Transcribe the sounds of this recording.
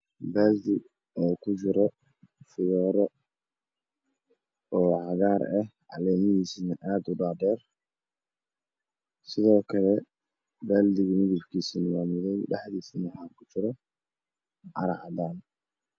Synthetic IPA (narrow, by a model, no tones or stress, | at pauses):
bɛːld̪ɪ | ɔːkʰʊt͡ʃɪɾɔ | fɪɣɔːɾɔ | ɔːʕɑɣaːɾɛhʕɑ̰lɛːmɪhiːsnɐʔaːd̪ʊɖaːd̪ɛːr | sɪðɔːkʰɐlɛ | bɛːld̪ɪɣɐmɪðɪbkʰiːsinɐwaːmʊðɛjɖɐħðiːsnɑħaːkʰʊt͡ʃɪɾɔ | ʔɑɾɐʕd̪aːn